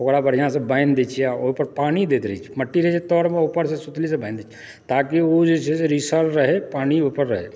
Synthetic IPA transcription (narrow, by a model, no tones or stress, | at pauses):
okɾabəɾjãsebaɪnd̪et͡ʃʰijaoɦpəɾpaːnid̪eːt̪ɾɦit͡ʃʰi̥məʈːiɾɐɦit͡ʃit̪ɔːɾmẽopəɾs̬esut̪lis̬ebãɪnd̪eːt͡ʃʰia | t̪aːkiod͡ʒeseseɾisəɾɾəɦepaːñiopəɾːəɦe